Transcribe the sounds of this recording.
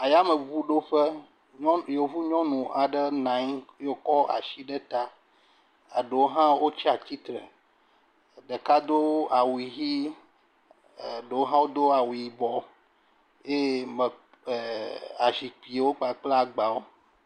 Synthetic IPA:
a˨ja˦mə˨vu˦ɖo˦ɸə˦ | ɔ̃˦jo˨vu˦ɲɔ̃˦nũ˨ʔa˨ɖə˦nã˨˦ɲ˦jo˦kɔ˦ʔa̰˨ʃi˦ɖə˦t̪a˦ | a˨ɖə˨wo˦ɦã˦wo˦t͡ʃi˦a˨t̪i˦t̪ɾə˨ | ɖə˨ka˦d̪o˦a˨wu˨i˨ɦi˦˨ | ɖə˨wo˦ɦã˦wo˦d̪o˦a˨wu˨i˨bɔ˨ | je˦mə˨ | a˨ʃi˨k͡pi˨e˨wo˦k͡pa˨k͡ple˦a˨ɡ͡ba˨wo˦

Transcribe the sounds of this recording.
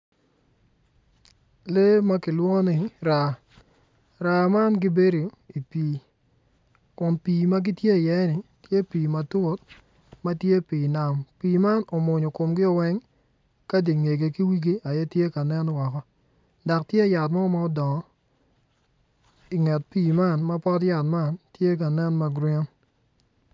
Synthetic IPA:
le˦ma˦kɪ˨lwɔ˦nɪ˨ɾa˨ | ɾa˨ma˦nɡɪ˦be˦ɾo˨ | i˨piː˨ | kʊ˨npiː˨ma˦ɡɪ˦tje˦˨jɛ˨˦nɪ˨tje˦piː˨ma˨tu˦o˦t | ma˦tje˦pi˨na˦mpiː˨ma˦nɔ˨mʊ˨ɲɔ˨ko˨mɡɪ˦ɔ˨wɛ˦ŋ | ka˦di˨ŋe˨ɡe˨ki˦wi˦ɡi˦a˨jɛ˦tje˦ka˨nɛ˦nwɔ˨kɔ˦ | da˨ktje˦˨ja˨tma˦ma˦ɔ˦dɔ˨ɔ˨˦ | i˨ŋɛ˨t̚piː˨ma˦nma˦pɔ˦t̬ja˨tma˦ntje˦k̬a˨nɛ˦nma˨ɡɾɛ˦n

